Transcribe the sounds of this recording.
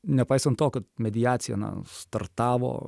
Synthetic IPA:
nʲɛpɐɪsɐnt̪t̪oːkɐt̪mʲɛd̪ʲɪjaːt̪sʲɪjɛ̰nɐ̰st̪ɐrt̪ɑːʋo̰ː

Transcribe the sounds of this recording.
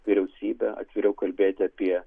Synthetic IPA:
ʋʲiɾʲɛʊsʲiːbʲɛʔɐ̰t̪ʲʋʲɪɾʲɛʊkɐlʲbʲeːt̪ʲɪɐpʲiɛ

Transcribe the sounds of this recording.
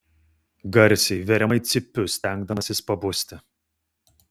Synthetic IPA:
ɡɐɾʲsʲɛɪʋʲɛɾʲɛmɐɪt̪sʲɪpʲːʊsʲt̪ʲɛŋɡ̚d̪ɐmɐsʲɪspɐbʊsʲt̪ʲɪ

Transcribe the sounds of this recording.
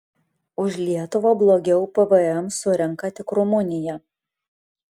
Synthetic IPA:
ʊʃʲlʲiɛt̪ʊʋɐblˠoːɡʲɛʊpəʋəɛmsʊɾʲɛŋˑkɐt̪ʲɪkɾʊmʊnʲɪjɛ

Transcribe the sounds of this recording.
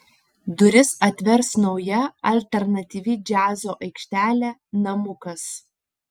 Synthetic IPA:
d̪ʊɾʲɪsɐt̪ʲʋʲɛɾsnɒʊjɛɐlʲt̪ʲɛɾnɐt̪ʲiːʋʲɪd͡ʒʲæːzoːʔɐɪkʃʲt̪ʲæːlʲæːnɐmʊkɐs

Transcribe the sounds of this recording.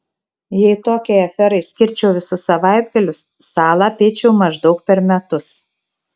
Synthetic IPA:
jɛɪt̪oːkʲeɛɪɐfʲɛɾɐɪsʲkʲɪɾʲt͡ʃʲɛʊʋʲɪsʊsɐʋɑɪd̪̚ɡɐlʲʊsːɑːlˠɑpʲeːt͡ʃʲɛʊmɐʒd̪ɒʊk̚pʲɛɾmʲɛt̪ʊs

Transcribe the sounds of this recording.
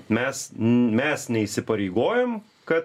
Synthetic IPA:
mʲɛsmʲɛsnʲɛisʲɪpɐɾʲɛɪɡoːjɛm | kɐt̪

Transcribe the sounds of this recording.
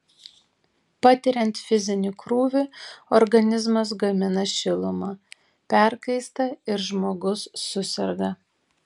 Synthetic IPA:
pɑt̪ʲɪɾʲɛnt̪fʲɪzʲɪnʲɪkɾuːʋʲɪɔɾɡɐnʲɪzmɐs̬ɡɐmʲɪnɐʃʲɪlˠʊmɑː | pʲæˑɾkɐɪst̪ɐɪɾʒmoːɡʊsːʊsʲɛɾɡɐ

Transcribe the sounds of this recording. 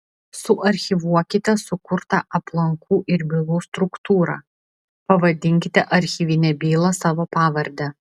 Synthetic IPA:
sʊʔɐɾʲxʲɪʋuɔkʲɪt̪ʲɛsʊkʊɾt̪ɐʔɐplˠɐŋkuːʔɪɾʲbʲilˠuːst̪ɾʊkt̪uːɾɑ̰ː | pɐʋɐd̪ʲɪŋʲkʲɪt̪ʲɛʔɐɾʲxʲiʋʲiːnʲɛbʲiːlˠɐsɑːʋoːpɑːʋɐɾʲd̪ʲɛ

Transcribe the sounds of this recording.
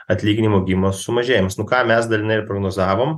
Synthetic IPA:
ɐt̪ʲlʲiːɡʲɪnʲimoːɡʲimoːsʊmɐʒʲeːjɪmsnʊkɑːmʲɛsd̪ɐlʲɪnɐɪɪɾpɾoɡnoːzɑːʋoːm

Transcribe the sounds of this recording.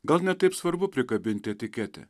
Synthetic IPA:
ɡɐlˠnʲɛt̪ɐɪpsʋɐɾbʊpʲɾʲɪkɐbʲɪnʲt̪ʲɪɛt̪ʲɪkʲɛːt̪ʲɛ̰

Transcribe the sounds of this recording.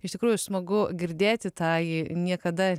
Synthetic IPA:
ɪʃʲt̪ʲɪkɾuːjʊsmɐɡʊɡʲɪɾʲd̪ʲeːt̪ʲɪt̪ɑːjinʲiɛkɐd̪ɐ

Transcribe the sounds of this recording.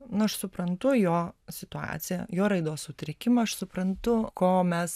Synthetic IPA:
nʊɐʃsʊpɾɐnt̪ʊjoːsʲɪt̪ʊɑ̰ːt̪sʲɪjɛ̰joːɾɐɪd̪oːssʊt̪ʲɾʲɪkʲɪmɐɐʃsʊpɾɐnt̪ʊkoːmʲɛs

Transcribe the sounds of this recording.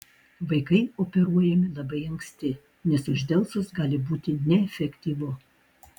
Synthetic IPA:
ʋɐɪkɐɪoːpʲɛɾuɔjɛmʲɪlˠɐbɐɪɐŋksʲt̪ʲɪ | nʲɛsʊʒʲd̪ʲɛlˠsʊsɡɑːlʲɪbuːt̪ʲɪnʲɛɛfʲɛkʲt̪ʲiːʋʊ

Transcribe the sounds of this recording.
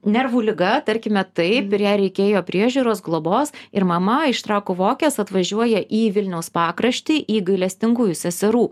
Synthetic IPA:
nʲɛɾʋuːlʲɪɡɐt̪ɐɾʲkʲɪmʲɛt̪ɐɪpɪɾjæːɾʲɛɪkʲeːjoːpʲɾʲiɛʒʲuːɾoːsɡlˠoːboːsɪɾmɐmɐɪʃt̪ɾɑːkoʋoːkʲeːsɐt̪ʋɐʒʲuɔjɛʔiːʋʲɪlʲnʲɛʊspɑːkɾɐʃʲt̪ʲiːʔiːɡɐɪlʲɛsʲt̪ʲɪŋɡuːjʊsʲɛsʲɛɾuː

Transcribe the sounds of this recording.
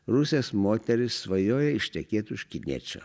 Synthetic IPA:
ɾʊsʲeːsmoːt̪ʲɛɾʲɪsːʋɐjoːjɛɪʃʲt̪ʲɛkʲeːt̪ʊʃʲkʲɪnʲḭːt͡ʃʲo̰ː

